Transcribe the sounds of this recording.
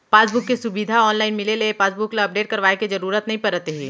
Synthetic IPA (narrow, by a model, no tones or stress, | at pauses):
paːsbʊkːesʊbid̪ʱaɔːnlaːɪnmɪlelepaːsbʊklaɐp̚ɖeːʈ̚kɐɾʋaːekizɐɾuːɾət̪nɐɦĩpɐɾət̪eɦɛː